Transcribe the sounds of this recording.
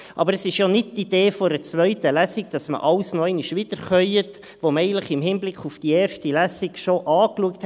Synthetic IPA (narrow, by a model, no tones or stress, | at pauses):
ʔɑ̰bəɾɛsɪʃjonɪd̚tid̥eːfoɾət͡sʋœʏtəlæsɪɡd̥ɑsmə̰ʔɑlsnoɛɪniʃʋid̥əɾχœjət | ʋoməɛɪɡəntləχɪmhɪnblɪkʰufd̥iɛːɾʃtilæsiɡʃoʔɑːkluəkthɛ